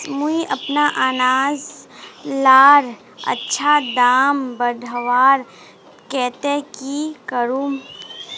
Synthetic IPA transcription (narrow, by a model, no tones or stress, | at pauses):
muiʔɐpnaʔaːnaːz | laːɾ | ɐ̰tːʃʰad̪aːmbədʱəʋaːɾ | kɛːt̪ekikəɾũː